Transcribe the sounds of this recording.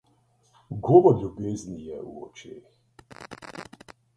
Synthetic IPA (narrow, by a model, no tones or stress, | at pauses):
ɡoːʋɔɾlʲubeːznijɛṵɔ̰t͡ʃeːx